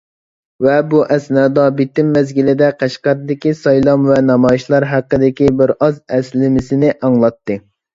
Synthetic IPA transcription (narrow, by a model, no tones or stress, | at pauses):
vɛbuʔɛsnɑːd̪ɑbɪt̪ɪmːɛzɡʲilɪd̪ɛqʰæʃqæɾd̪ɪkʲisɑjlˠɑmvɛnɑmɑjiʃlˠɑɾɦæqːəd̪ɪkʲibɪɾɑzɛslɪmɪsɪnɪʔɑŋlˠɑt̪ːɨ